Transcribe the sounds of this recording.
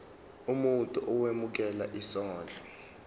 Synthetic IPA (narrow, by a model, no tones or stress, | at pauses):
umuntʼuʔuwemuk̬ɛlaʔisɔːnd͡ɮʱɔ